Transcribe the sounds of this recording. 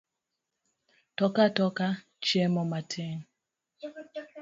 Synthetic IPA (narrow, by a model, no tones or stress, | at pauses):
tɔkatɔka | t͡ʃɛmɔmatʰɛŋ